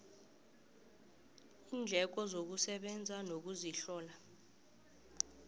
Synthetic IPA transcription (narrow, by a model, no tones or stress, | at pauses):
iːnd͡ɮʱɛk̬ɔzok̬usɛɓɛnd͡zʱanok̬uziɬɔːla